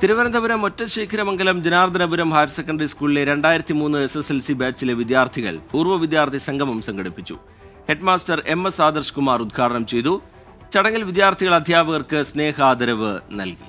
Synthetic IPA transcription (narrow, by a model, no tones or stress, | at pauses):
t̪iɾuʋɐɾɐnd̪ɐbɐɾɐmːotːɐɕeːkʰɐɾɐmɐŋɡɐlɐmd͡ʑɐnaːɾrd̪ʱɐnɐbuɾɐmɦaːjɐɾsekːɐɳɖɐɾiskuːɭile̞ɾe̞ɳɖaːjiɾɐt̪ːimuːnːɨeseselsibaːt͡ɕːileʋid̪jaːrt̪ʰiɣɐ̰ɭpuːrʋɐʋid̪jaːrt̪ʰisɐŋɡʱɐmɐmsɐŋɡɐɽipːit͡ɕːṵ | he̞ɖmaːstɐre̞mːesaːd̪ɐrʂkumaːrud̪̚ɡʰaːɽɐɳɐmt͡ɕe̞jt̪u | t͡ɕɐɽɐŋːilʋid̪jaːrt̪ʰiɣɐɭɐd̪ʱjaːbɐɣɐrkɨsne̞ːɦaːd̪ɐɾɐʋɨnɐ̰lki̥̰